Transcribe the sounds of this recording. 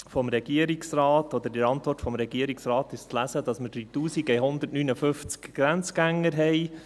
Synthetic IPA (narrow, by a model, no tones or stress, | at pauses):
fɔmɾɛɡ̥iəɾiksɾɑːtɔd̪əɾdɪɾɑntʋɔrtfɔmɾɛɡiəɾiksɾɑːt̪ɪʃt͡slæsəd̥ɑsmədɾit̪uːsiɡəjɦʊnd̪ətnyːnəfʏft͡skɡ̥ɾænt͡sɡ̥æŋːəɾɦɛɪ